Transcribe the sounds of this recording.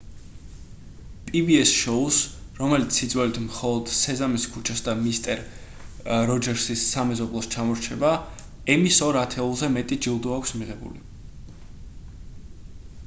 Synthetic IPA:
pʼibiɛsʃɔusɾɔmɛlit̪sʰːid̪zwɛlit̪ʰmχɔlˠɔd̪̥sɛzamiskʰut͡ʃʰasd̪amist̪ʼɛɾ | ɾɔd͡ʒɛɾsisːamɛzɔblˠɔst͡ʃʰamɔɾt͡ʃʰɛba | ɛmisɔɾat̪ʰɛulˠzɛmɛt̪ʼid͡ʒilˠd̪ɔakʷʰsmiʁɛbṵlḭ

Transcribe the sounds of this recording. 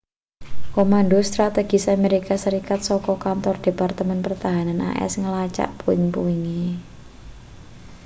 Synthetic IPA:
komandost̪ɾat̪eɡ̥isameɾikasəɾikat̪̚sɔkɔkant̪ɔrd̪̥e̤part̪əmɛnpərt̪aɦananʔa̰ʔɛ̰sŋəlat͡ʃa̰ʔpuɪŋpuiŋi

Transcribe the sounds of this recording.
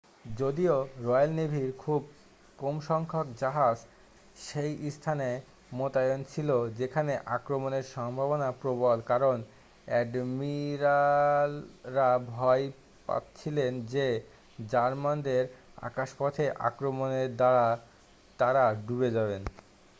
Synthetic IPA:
d͡ʑod̪ioɾɔjalnebʱiɾkʰub̚ | komʃɔŋkʰokd͡ʑaɦad͡ʑ | ʃejʔist̪ʰane | mot̪ajont͡ɕʰilod͡ʑekʰaneʔa̰kɾomoneɾʃɔŋbʱabonapɾobolkaɾon | ɛɖmiɾalːabʱɔj | pa̰t̪t͡ɕʰilend͡ʑe | d͡ʑaɾmand̪eɾa̰kaʃpɔt̪ʰeʔa̰kɾomoneɾd̪aɾa | t̪aɾaɖubed͡ʑaβen

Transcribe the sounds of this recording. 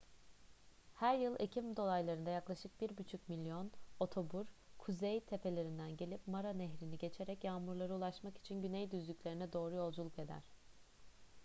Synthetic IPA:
hæɾjɯlˠecʰimd̪o̞lˠajlˠaɾɯnd̪ajaklˠaʃɯk̚biɾbyt͡ʃʰycmilʲːjo̞no̞t̪ʰo̞buɾkʰuzejt̪ʰe̞pʰe̞lʲe̞ɾind̪ænɟe̞lʲipmaɾanɛɦɾiniɟe̞t͡ʃʰe̞ɾɛcjaːmuɾlˠaɾɯulˠaʃmaki̥t͡ʃʰinɟynɛjd̪yzlʲycʲlʲe̞ɾinɛd̪o̞ːɾujo̞lˠd͡ʒulˠuke̞d̪æ̰ɾ̥

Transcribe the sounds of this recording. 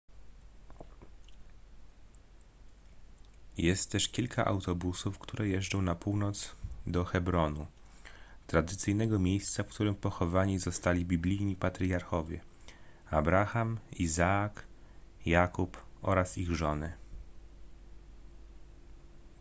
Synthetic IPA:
jɛst̪t̪ːɛʂkʲilkʰa̰ʔa̰wt̪ɔbusufkt̪ʰuɾɛjɛʐd͡ʐɔ̃w̃napuwnɔt̪sd̪ɔxɛbɾɔnu | t̪ɾad̪ɘt̪sɘjnɛɡɔmʲejst̪safkt̪uɾɘmpɔxɔvaɲizɔst̪alʲibʲiblʲijɲipat̪ɾjaɾxɔvʲjɛ | abɾaxamizaːkjakupʔɔ̰ɾasiɣʐɔnɘ

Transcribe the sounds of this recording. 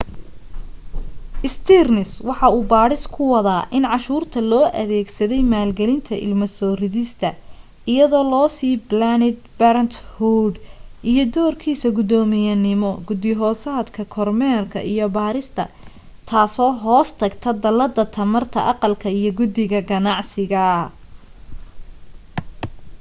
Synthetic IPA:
ʔɪst̪ʰirnɪswɑħɑuːbaːɾɪskʰʊwɑðaːʔɪnʕɑʃuːrt̪ʰɐlɔːʔɐ̰ðɛːɡsɐðɛjmaːlɡɛlɪnt̪ʰɐʔɪ̰lmɐsɔːrɪðɪst̪ʰɐ | ʔɪjɐðɔːlɔːsiːblanɪd̪̚bɐɾɐnt̪huɖʔijɞd̪ɔːrkʰiːsɐɡʊd̪ɔːmɪjɐnɪmɔɡʊd̪ɪɦɔːsaːd̪kʰɐkʰɔrmɛːrkʰɐ̰ʔijɔbaːɾɪst̪ʰɐ̰ | t̪ʰaːsɔːɦɔːst̪ʰɐɡt̪ʰɐd̪ɐlɐd̪ɐt̪ʰɐmɐrt̪ʰɐ̰ʔɑqɑlkʰɐijɔɡʊd̪ɪɣɐɡɐnɑʕsɪɣɐ

